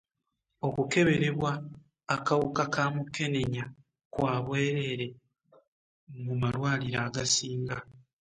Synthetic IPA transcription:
o̞kuke̞βe̞ɾe̞βwaː | kawukakʰaːmuke̞ne̞ɲa | kwaːβwe̞ːɾe̞ɾe̞ | mumalwaːliɾaːɡasiːŋɡa

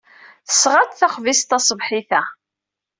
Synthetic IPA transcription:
θə̥sʁət̪θaχvist̪ɑsˤəvħiθæ

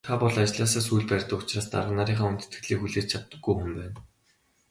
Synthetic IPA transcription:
aːpɔɮat͡ɕɮaːs̬aːsujɮpærʲt̪ə̆kʊt͡ɕraːst̪a̰ɾʁə̆naɾiːχaːunt̪ɘ̥̆t̪ɡɘ̥̆ɮiːxuɮeːt͡ɕt͡ɕʰat̪ːə̆ɡːujxɵ̆mpæːn

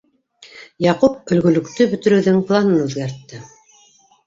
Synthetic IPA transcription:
jɑqup̚ɵ̆lɡɵ̆lɵ̆kt̪ɵbɵ̆t̪ɵ̆ɾɵ̆wðɵŋplˠɑnɤnʉðɡæɾt̪ːɘ

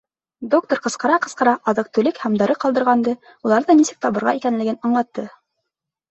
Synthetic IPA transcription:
d̪ok̚t̪oɾqɤ̆sqɤ̆ɾɑqɤ̆sqɤ̆ɾɑʔɑðɤq̚t̪ɵ̆lɘkhæmd̪ɑɾɤqɑlˠd̪ɤ̆ɾʁɑnd̪ɤ | ulˠɑɾðɤnisɘk̚t̪ɑβɤ̆ɾʁɑ̰ikænlɘ̆ɡɘnɑɴlˠɑt̪ːɤ

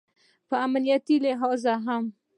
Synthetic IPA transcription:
faamaniat̪ileɦawzaɦam

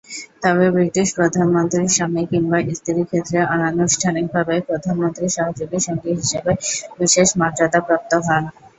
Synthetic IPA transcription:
t̪ɔβebɾiʈiʃpɾod̪ʱanmont̪ɾiɾʃamikiŋbaʔist̪ʰiɾikʰet̪ːɾeʔananuʃʈʰanik̚bʱabepɾod̪ʱanmont̪ɾiʃaɦad͡ʑoɡiʃɔŋɡiɦiʃebebiʃeʃmaʈɾad̪apɾap̚t̪oɦɔn

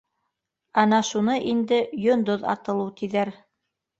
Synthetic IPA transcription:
ɑnɑʃunɤʔind̪ɘjond̪oðɑ̰t̪ɤ̆lˠɤt̪iðæɾ

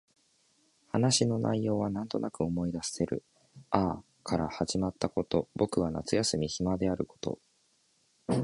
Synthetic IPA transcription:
hanaɕino̞nʔa̰ijo̞ːβ̞anãnt̪o̞nakɯ̟o̞mo̞id̪asḁse̞ɾɯ̟̰ | aː | kʰaɾahaʑimat̪ːako̞t̪o̞bo̞kɯ̟βana̰t͡sɨjasɨmʲiçimad̪e̞aɾɯ̟ko̞̥t̪o̞̰

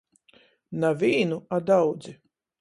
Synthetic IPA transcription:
navʲiːnuad̪awd̪zi

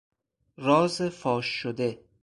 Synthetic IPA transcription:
rɒːzefɒːʃːod̪e

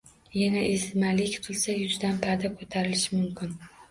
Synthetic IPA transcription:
janaʔɪsmalɪkʲqʰɨlˠsajʊzd̪anpʰad̪akʰot̪ʰaɾɪlɪʃɪmʊmkʲʰɪn

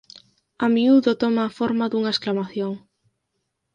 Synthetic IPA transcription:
amiuðot̪omaːfoɾmaðuŋaesklamaθjoŋ

